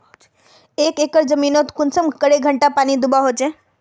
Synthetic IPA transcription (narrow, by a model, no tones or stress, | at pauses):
eːkeːkəɾd͡ʒəmiːnot̪kʊnsəmkəɽeɡʱəɳʈapaːnid̪ʊbaɦot͡ʃẽ